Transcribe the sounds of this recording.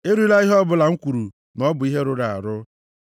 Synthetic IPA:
e˦ɾu˦i˦la˦i˦ɦɔ˦bʊ˨la˨ŋ̩˦kʷu˨ɾu˨ | nɔ˦bʊ˨i˦ɦe˦ɾʊ˦ɾa˨a̰˨ɾʊ˦

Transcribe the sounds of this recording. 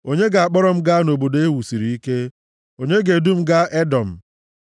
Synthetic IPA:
o˦ɲe˦ɡa˨a˨k͡pɔ˦ɾɔ˦m̩˦ɡa˦no˨bo˨de˦wu˨si˨ɾi˨i˦ke˦ | o˨ɲe˦ɡe˨du˦m̩˦ɡa˦ʔe˦dɔ˨m̩˨

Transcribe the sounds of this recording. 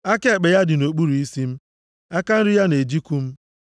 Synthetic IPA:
a˦ke˦˨k͡pe˨ja˦dɪ˨no˨k͡pu˦ɾu˨i˦si˦m̩˦ | a˦ka˦n̩˦ɾɪ˦ja˦ne˨d͡ʒi˦ku˦m̩˦

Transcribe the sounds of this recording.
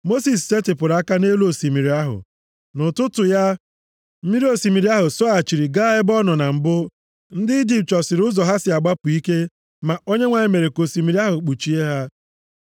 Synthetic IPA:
mo˦si˨s̬se˦tɪ˨pʊ˨ɾa˦ka˦ne˦lo˨si˨mi˨ɾi˨a˦ɦʊ̰˨ | nʊ˨tʊ˦tʊ˨ja˦ | m̩˦mi˦ɾi˦o˨si˨mi˨ɾi˨˦a˦ɦʊ˨sɔ˦a˨t͡ʃi˨ɾi˨ɡa˦ɪ˦bɔ˦nɔ˨na˨m̩˨bʊ˦ | n̩˦dɪ˦di˨t͡ʃɔ˨sɪ˨ɾʊ˦zɔ˨ɦa˦sɪ˨a˨ɡ͡ba˦pʊ˨i˦ke˦ | ma˨o˦ɲe˦ŋʷa˨ɲɪ˦me˨ɾe˨ko˨si˨mi˨ɾi˦a˦ɦʊ˨k͡pu˨t͡ʃi˨e˦ɦa˦

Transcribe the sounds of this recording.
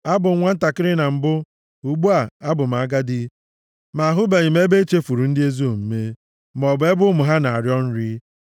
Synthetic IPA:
a˦bʊ˨ŋ̩˦ŋʷa˦n̩˦ta˨kɪ˦ɾɪ˦na˨m̩˨bʊ˦ | u˨ɡ͡bu˦a˨a˦bʊ˨m̩˨a˨ɡa˦dɪ˦ | ma˨ɦʊ˦be˨ɲi˨me˦be˦t͡ʃe˦fu˨ɾu˨n̩˦dɪ˦e˦zo˦˨m̩˦me˦ | m˨ɔ˨bʊ˨e˦bʊ˦mʊ˨ɦa˦na˨a˨ɾjɔ˦n̩˦ɾi˦

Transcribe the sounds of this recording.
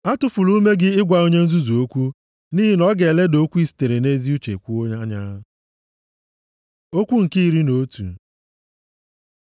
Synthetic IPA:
a˦tʊ˨fʊ˨lu˦me˦ɡɪ˦ɪ˦ɡʷa˨o˦ɲe˦n̩˦zu˦zu˨o˦kʷu˦ | ni˦ɦi˦nɔ˦ɡe˨le˦do˦kʷu˦i˦si̥˨te˨ɾe˨ne˦zi˦u˦t͡ʃe˨kʷu˦o˦ɲa˦ɲa̰˦ | o˦kʷu˦ŋ̩˨ki˦˨ɾi˦no˦tṵ˨

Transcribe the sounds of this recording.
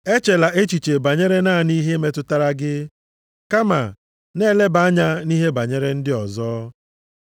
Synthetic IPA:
e˦t͡ʃe˨la˨ʔe˦t͡ʃi˨t͡ʃe˨ba˨ɲe˦ɾe˦naː˦˨ni˦ɦe˦me˦tʊ˦ta˦ɾa˦ɡɪ˦ | ka˦ma˨ | ne˦le˦ba˨a˦ɲa˦ni˦ɦe˦ba˨ɲe˦ɾe˦n̩˦dɪ˦ɔ˨zɔː˦

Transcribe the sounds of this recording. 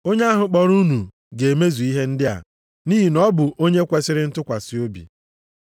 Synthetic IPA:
o˦ɲe˦a˦ɦʊ˨k͡pɔ˨ɾu˦nu˨ | ɡe˨e˨me˦zu˨i˦ɦe˦n̩˦dɪ˦a̰˨ | niː˦ɦi˨nɔ˦bʊ˨ʔo˦ɲe˦kʷe˨sɪ˦ɾɪ˦n̩˦tʊ˦kʷa˨sɪ˨o˦bḭ˨

